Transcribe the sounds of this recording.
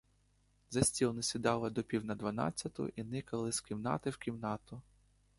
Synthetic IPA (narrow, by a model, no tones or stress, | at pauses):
zɐsʲtʲilˠnɪsʲid̪ɑlˠɪd̪ɔpʲiwnɐd̪ʋɐnɑ̰t͡sʲːɐt̪ʊ̰ʔinɪkɐlˠɪskʲiwnɑ̰t̪ɪwkʲiwnɑt̪ʊ